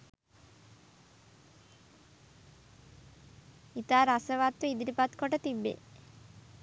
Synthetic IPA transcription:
it̪aːɾasəʋaːt̪ːuid̪iɾipat̪koʈət̪ibːḛ

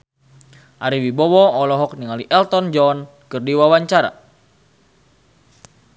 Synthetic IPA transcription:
ʔaɾiwibɔwɔɔlɔɦɔk̚niŋaliʔɛlt̪ɔnd͡ʒɔn | kɨrdiwawaɲt͡ʃaɾa̰

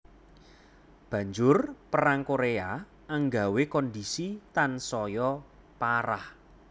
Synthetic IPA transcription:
b̥ä̤ɲd͡ʒʊrpəɾaŋkoɾea | əŋɡawekɔndisit̪ansɔjɔ | paɾah

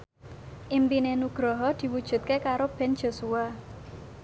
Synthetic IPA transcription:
ʔimpinenuɡ̥ɾɔɦɔd̪̥i̤wud̥ʒ̥ṳt̪̚kekaɾob̥ɛ̤nd͡ʒ̥o̤sua

